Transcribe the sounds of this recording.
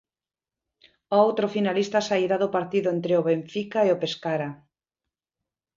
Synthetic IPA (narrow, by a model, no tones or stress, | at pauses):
oowt̪ɾofinalist̪asaiɾaðʊpaɾt̪iðʊent̪ɾeoβeɱfikaeopeskaɾa